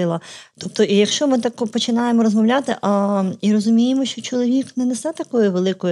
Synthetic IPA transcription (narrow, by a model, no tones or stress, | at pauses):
ɪlˠɐt̪ɔp̚t̪ɔʔijɐkʃt͡ʃɔmɪt̪akɔpɔt͡ʃɪnɑjemɔɾɔzmɐwlʲat̪ɪʔɐiɾɔzʊmʲijemɔʃt͡ʃɔt͡ʃɔlˠɔʋʲiknɛnɛsɛt̪ɐkɔjʊʋelˠɪkɔjʊ